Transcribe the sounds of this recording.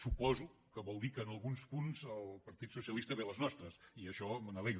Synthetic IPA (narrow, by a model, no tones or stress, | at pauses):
supɔzukəβɔlˠd̪ikəːnəlˠɣunspunzəlˠpɐɾt̪it̪susiəlist̪əβeləznɔst̪ɾəsiəʃɔmənəlej